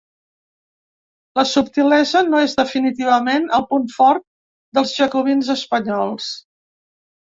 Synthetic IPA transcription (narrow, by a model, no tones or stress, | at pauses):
ləsupt̪ilɛzənoezðəfinit̪iβ̞əmenəlˠpunfɔɾt̪̚ | d̪əlˠzʒəkuβinzəspəɲɔlˠs